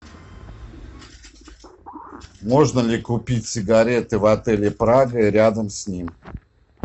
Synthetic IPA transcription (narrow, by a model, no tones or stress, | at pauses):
mo̞ʐnəlʲɪkʊpʲitʲsʲɪɡɐɾʲet̪ɨvɐt̪ɛlʲɪpɾaɡəiɾʲad̪əmsʲnʲim